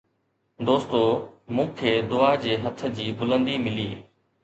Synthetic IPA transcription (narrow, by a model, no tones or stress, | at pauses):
d̪oːst̪oːmũːkʰeːd̪ʊaːd͡ʑeːɦət̪ʰd͡ʑiːbʊlə̃nd̪iːmɪliː